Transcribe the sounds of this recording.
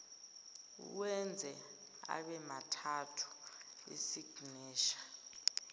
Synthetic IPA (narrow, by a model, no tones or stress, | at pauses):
uwɛnd͡zʱɛ | a̰ɓɛmatʰatʰu̥ | ḛsiɡ̥ʱnɛːʃḁ